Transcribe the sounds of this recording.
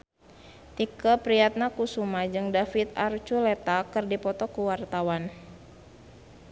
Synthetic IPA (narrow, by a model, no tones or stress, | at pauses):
t̪ikəpɾiat̪̚nakusumad͡ʒɨŋdafit̪art͡ʃulet̪akɨrdipɔt̪ɔkuwart̪awan